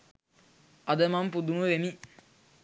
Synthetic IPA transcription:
ʔɐd̪ɐmɐmpud̪umuʋemi

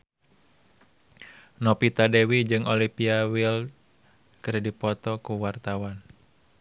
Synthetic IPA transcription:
nɔpit̪adewid͡ʒɨŋʔɔlipiawil | kɨɾdipɔt̪ɔkuwart̪awan

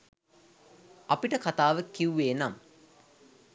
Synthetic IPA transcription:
ɐpiʈəkat̪aːʋəkːiuʋeːnam

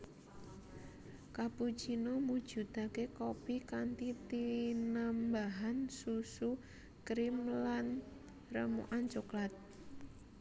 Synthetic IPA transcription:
kapu̥ʒ̥inomud̥ʒ̥ṳt̪akekopikant̪it̪inambaɦansusu | kɾimlan | rəmṵʔant͡ʃuklat̪̚

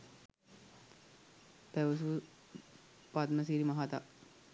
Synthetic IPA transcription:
pæʋəs̬u | pat̪məs̬iɾimaɦat̪a

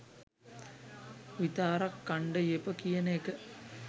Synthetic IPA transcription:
ʋit̪aːɾɐkːɐɳɖɐjepɐkijɐnekɐ

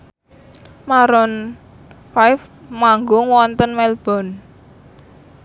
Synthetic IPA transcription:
maɾɔn | fajfmaŋɡʊŋwɔnt̪ənmɛlb̥ɔ̤n

